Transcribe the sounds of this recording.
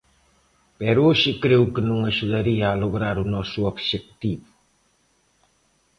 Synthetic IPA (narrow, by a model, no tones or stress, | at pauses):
pɛɾuoʃikɾewkənũŋaʒuðɐɾiaːloɣɾaɾunɔsuobʃek̚t̪iβu